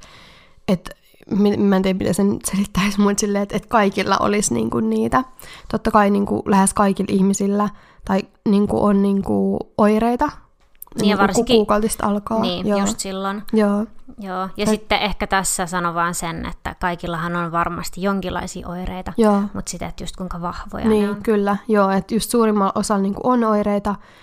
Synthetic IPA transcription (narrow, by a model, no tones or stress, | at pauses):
et̪ | mimæt̪iæmit̪æsenyt̪selit̪ːæismut̪silːeet̪et̪kɑikilːɑ̰ʔo̰lisnḭːŋkunniːt̪æt̪ot̪ːɑkɑiniːŋkṵlæhæskɑikilʔihmisilːæ | t̪ɑiniːŋkṵʔonniːŋkuʔoireit̪ɑ | nːiʋurkːukuːkɑlt̪ist̪ɑ̰lkɑːnːjojusst̪silːonjoːjoːjɑsit̪ːeʔehkæt̪æsːæsɑnoʋɑːnsenḛt̪ːæ̰kɑikilːɑhɑnonʋɑrmɑ̰st̪ijoŋkilːˑɑ̰isḭːʔoireit̪ɑjoːmut̪sit̪et̪just̪̚kuiŋkɑʋɑhʋo̰jɑniːkylːæjoːet̪just̪suːrimːɑlʔosɑlniːŋkṵʔonoireit̪ɑ